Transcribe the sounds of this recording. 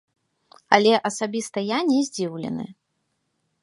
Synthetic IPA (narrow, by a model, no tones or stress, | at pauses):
ɐlʲɛʔɐsabʲist̪ɐjanʲɛzʲd͡zʲiwlʲɛ̰nɨ̰